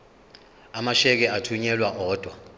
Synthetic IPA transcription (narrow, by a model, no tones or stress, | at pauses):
amaʃɛk̬ɛatʰuɲɛlwaʔɔːd̥ʱwa